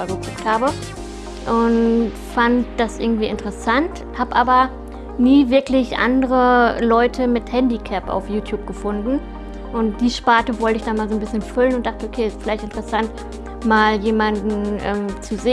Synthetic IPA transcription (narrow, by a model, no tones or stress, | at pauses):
aːlɡət͡sʊkthaːbə | ʔʊnt | fantd̥asʔɪɐɡŋ̩tv̥iːɪntəʁəsant | haːbəʔaːbɐ | niːvɪɐklɪçʔa̰ndəʁəlɔʏtʰəmɪthɛndikʰɛpa̰ʊfjuːtʰjuːp̚ɡ̥əfʊndn̩ | ʔʊntd̥iːʃpaːtəvɔltəɪçd̥anmaːlzoːnbɪsçənfʏlənʊnt̚d̥aχtəokʰeːstfɪlaɪçtɪntəʁəsant | maːljeːmandn̩ʔɛ̰ːmt͡suzeː